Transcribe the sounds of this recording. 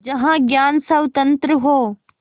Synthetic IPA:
d͡ʒɐɦãɡjaːnsɐʋt̪ɐ̃nt̪ɾəɦoː

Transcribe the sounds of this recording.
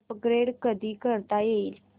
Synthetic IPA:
pɡɾeɽkəd̪iːkəɾt̪ajeil

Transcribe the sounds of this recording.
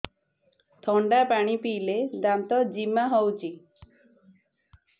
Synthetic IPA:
t̪ʰɔɳɖapaɽ̃ipiːled̪amt̪ɔd͡ʒimaɦowt͡ʃʰi

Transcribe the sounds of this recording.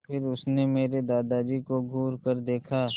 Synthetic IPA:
pʰɪɾʊsnemeːɾed̪aːd̪ad͡ʒikoɡʱuːɾkəɾd̪eːkʰaː

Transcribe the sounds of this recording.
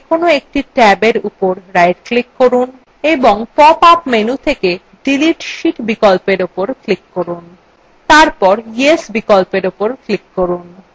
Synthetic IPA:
kʰonoek̚ʈiʈɛbeɾupoɾɾːajʈklikːoɾun | eboŋpɔpapmenut̪ʰeke | ɖiliʈʃiʈbikɔlpeɾupoɾklikːoɾun | t̪aɾpɔɾjesbikɔlpeɾupoɾklikːoɾun

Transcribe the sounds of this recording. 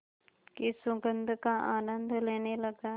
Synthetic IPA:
kɪsʊɡənd̪ʱkaʔaːnə̃nd̪ʱleːneləɡaː

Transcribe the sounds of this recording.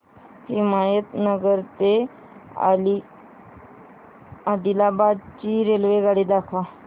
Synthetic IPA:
himajət̪nəɡəɾt̪e | a̰li | ad̪ilabad̪t͡ɕiːɾelʋeɡaɽiːd̪akʰʋa

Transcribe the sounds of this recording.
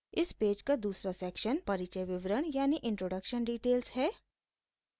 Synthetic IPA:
ɪspeːd͡ʒkad̪uːsɾasɛːkʃənpɐɾɪt͡ʃəjʋɪʋɾəɳjaːniʔɪ̃ɳʈɾoːɖəkʃənɖiːʈeːlsɦɛː

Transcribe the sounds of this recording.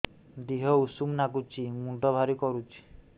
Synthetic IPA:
d̪iɦɔusumnaɡut͡ʃʰimuɳʈɔbʱaɾikɔɾut͡ʃʰi̥

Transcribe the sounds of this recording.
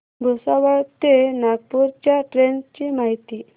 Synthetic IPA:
bʱusaʋəɭt̪enaɡ̚puɾt͡ɕjaʈɾent͡ɕimaɦit̪i

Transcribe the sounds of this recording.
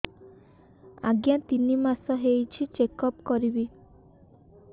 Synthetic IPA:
a̰ɡjãt̪inimasɔɦejt͡ʃʰit͡ʃekɔpkɔɾibi

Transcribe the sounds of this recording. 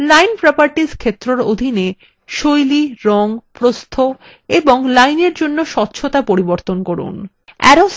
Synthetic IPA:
lajnpɾɔpaɾʈiskʰet̪ːɾoɾod̪ʱine | ʃojliɾɔŋpɾost̪ʰo | eboŋlajneɾd͡ʑonːoʃɔt̪ːɕʰot̪apoɾiboɾt̪onkɔɾṵn | ɛ̰ɾo

